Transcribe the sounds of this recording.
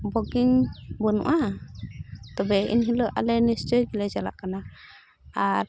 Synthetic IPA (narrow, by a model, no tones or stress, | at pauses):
bɔɡiŋbɔnṵʔa | t̪ɔbɛḭnɦilɔʔa̰lɛnist͡ʃɔjɡilɛd͡ʒala̰ʔkana | aɾ